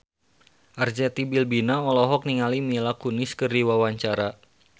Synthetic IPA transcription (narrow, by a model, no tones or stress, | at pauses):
ʔard͡ʒat̪ibilbinaɔlɔɦɔk̚niŋalimilakunɪskɨriwawaɲt͡ʃaɾa